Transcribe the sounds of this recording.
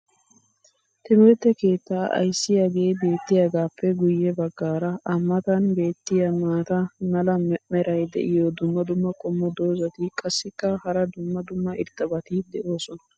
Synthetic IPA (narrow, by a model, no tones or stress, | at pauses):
t̪ɪmoɾt̪ːɛke̞ːt̪ːaːʔɐ̰jsːɪjaːɡe̞ːbe̞ːt̪ːɪjaɡaːpʰːɛɡʊjːɛbɐɡːaːɾɐʔɐmːɐt̪ɐnbe̞ːt̪ːɪjɐmaːt̪ɐmɐlɐmɛɾʔɐjd̪ɛ̰ʔɪjɔd̪ʊmːɐd̪ʊmːɐkʼɔmːɔd̪o̞ːzɐt̪ɪkʼɐsːɪkːɐhɐɾɐd̪ʊmːɐd̪ʊmːɐɪɾt̪ːɐbɐt̪ɪd̪ɛʔo̞ːsɔnɐ